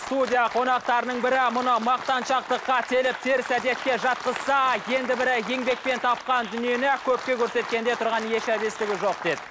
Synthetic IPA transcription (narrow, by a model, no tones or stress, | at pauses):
st̪ud̪ʲijaqʰo̞nɑqt̪ɑɾənəɴbɪɾɪmʊnəmɑq̚t̪ɑnʃɑqt̪əqːɑt̪ʰelɪp̚t̪ʰe̞ɾsæd̪e̞t̪̚kʲe̞ʒɑt̪̚qəz̥sɑje̞nd̪ɪbɪɾɪje̞ŋbe̞k̚pe̞nt̪ʰɑp̚qɑnd̪ʏnije̞nɪkʲʰɵp̚kʲe̞kʲʰɵɾse̞t̪̚kʲe̞nd̪e̞t̪ʰʊɾʁɑnje̞ʃæbest̪ɪɡʲɪʒo̞q̚d̪e̞d̪ɪ